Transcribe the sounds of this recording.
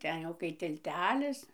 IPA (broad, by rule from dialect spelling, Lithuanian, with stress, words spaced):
ˈtʲɛn jɛʊ kɐɪ tʲɪlʲˈtʲæːlʲɪs